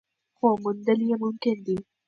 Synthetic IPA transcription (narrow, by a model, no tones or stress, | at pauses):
komʊnd̪ɐlijemumkɪnd̪i